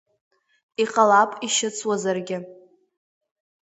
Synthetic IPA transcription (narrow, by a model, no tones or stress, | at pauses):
iqʼalapʼiʃɪt͡sʰwazarɡʲɪ